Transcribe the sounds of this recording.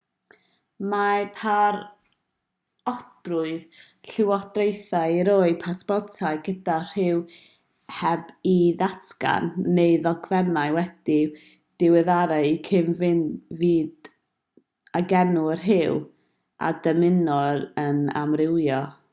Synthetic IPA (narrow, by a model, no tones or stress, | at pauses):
mapʰar | ɔd̥rʊɨð | ɬɪwɔd̥rejθaiɾoɨpʰaspɔtʰaɨɡədar̥ɪw | hɛbiðatka̰nːeɨðɔɡvɛnaɨwɛd̥i | d̥ɪwɛðaɾɛkʰɪnvɪnviːd | aɡɛnuər̥ɦɪw | ʔa̰dəmɪnɔɾəna̰mrɪwjɔ